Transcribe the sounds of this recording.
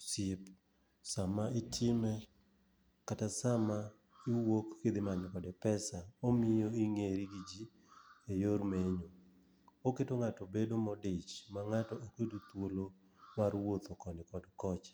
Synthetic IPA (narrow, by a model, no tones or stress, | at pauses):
sɪp | samaɪtʰɪmɛ | katasama | ɪwokːed̪ɪmaɲɔkɔdɛpɛsaomɪjoiŋeɾiɡid͡ʒi | ejoɾmeɲo | oketoŋatobedomɔdet͡ʃmaŋatɔʔokedut̪wolo | marwot̪okɔnɪkɔdkɔt͡ʃ